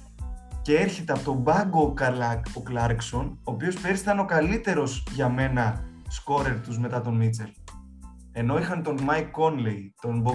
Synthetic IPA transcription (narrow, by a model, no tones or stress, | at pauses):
ce̞e̞ɾçe̞t̪eɐpot̪o̞bɐɡokɐlɐkoklɐɾkso̞no̞ːpio̞spe̞ɾist̪ɐno̞kɐlit̪e̞ɾo̞zʝɐme̞nɐ | sko̞ɾe̞ɾt̪uzme̞t̪ɐt̪o̞nmit͡se̞l | e̞no̞ixɐnt̪o̞nmɐjkːo̞nlejt̪o̞nbo